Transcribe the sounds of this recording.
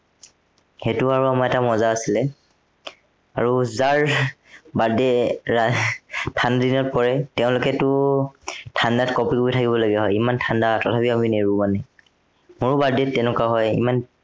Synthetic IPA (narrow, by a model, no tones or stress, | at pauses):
xetuaɹuamaɛtamɔzaːsilɛ | a̰ɹuzaɹ | badɛatʰandadinɔpɔɹɛtɛʊ̃lʊkɛtʊ | tʰandatkɔpikuitʰakibɔlaɡiaɦɔjimantʰandatɔtʰapiamineɹumanɛ | mʊɹbadɛtːɛnʊkaɦɔjḭman